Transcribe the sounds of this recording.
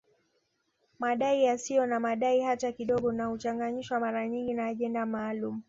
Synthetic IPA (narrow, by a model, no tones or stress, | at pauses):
maɗaijasijɔnamaɗaihatakiɗɔɡɔnahut͡ʃaŋɡaɲiʃwamaɾaɲiŋɡinaːʄɛndamaːlumu